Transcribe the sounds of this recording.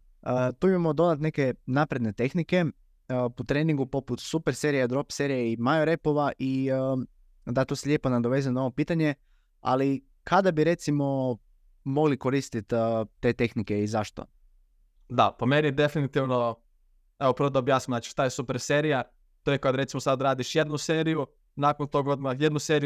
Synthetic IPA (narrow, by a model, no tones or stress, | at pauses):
əːt̪uimamod̪o̞d̪at̪ne̞ke̞napɾe̞d̪ne̞t̪e̞xnike̞ | put̪ɾe̞ːniŋɡupo̞put̪supe̞ɾse̞ɾijad̪ɾo̞pse̞ɾijeimajoɾe̞po̞ʋaʔi | d̪at̪oseʎe̞ponad̪oʋe̞zenao̞ʋopiːt̪aɲe | a̰li | kʰad̪abiɾe̞t̪simo̞ | mo̞ɡliko̞ɾist̪it̪ːt̪ːe̞ːt̪e̞xnike̞izaʃt̪o̰ | d̪apomenid̪e̞finit̪iʋno̞ | eʋopəɾʋod̪aobjaːsnimnat͡ʃi̥ʃt̪ajesupeɾse̞ɾia | t̪ojekad̪ɾe̞t̪simosad̪ɾaːd̪iʃjed̪nuseːɾiju | nakont̪o̞ɡod̪majed̪nuseɾij